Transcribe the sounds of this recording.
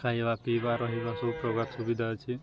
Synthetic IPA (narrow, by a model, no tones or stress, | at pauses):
kʰaɦiʋapibaɾɔɦibasɔpɾɔɡat̪subid̪ʱat͡ʃʰi